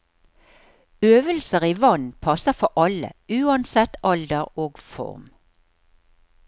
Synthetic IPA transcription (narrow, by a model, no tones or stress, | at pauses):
øːʋəlsəʁiːʋɑnpʰɑsəfɔʔɑlə̰ʉːɑnsɛt̪ɑld̪əʁoːɡfɔ̰ʁm